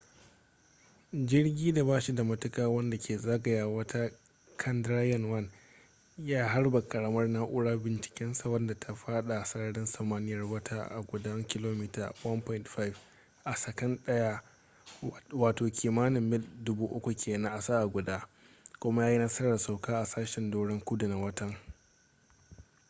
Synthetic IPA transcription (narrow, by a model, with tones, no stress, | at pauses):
d͡ʒɪ˦rɡʲiː˦da˨baː˦ʃi˦da˨mɐ˦tʊ˦kaː˦wɐ˦nda˨kʲeː˨zɐ˦ɡɐ˨ja˨wɐ˦tʰa˦ | kʰɐ˦ndɾa˦jɔ˦˨nwɐ˦n | jaː˦ɦa˦rba˨kɐ˨ɽɐ˦mɐ˦rnaː˦ʔʷʊ˦ɽaː˦bɪ˨nt͡ʃɪ̥˨kʲɛ˦nsa˨wɐ˦nda˨tʰa˨ɸaː˦ɗa˨sɐ˦ɽɐ˦ɽɪ˦nsɐ˨maː˦nɪ˦jɐ˨rwɐ˦tʰaː˦ʔa̰˨ɡʷʊ˨dɐ˦ŋkʲɪ˦loː˦miː˦ta̰ː˨wɐ˦npɔ˦ɪ˨ntɸa˦i˨f | ʔa˨sɐ˨kɐ˦nɗɐ˦jaː˦ | waː˨toː˨kʲʰiː˨maː˦nɪ˨mːɪ˦ldʊ˦buː˦ʔʊ˦kʷu˨kʲʰeː˨nɐ̃˦ʔa˨saː˦ʔa˨ɡʷʊ˨daː˦ | kʷʊ˦ma˦jaː˦ji˦nɐ˦sɐ˦ɽɐ˨rsa˨wkaː˦ʔa˨saː˦ʃɛ˨ndoː˦ɽɪ˦ŋkʷʊ˦dʊ˨na˨wɐ˦tɐ˦ŋ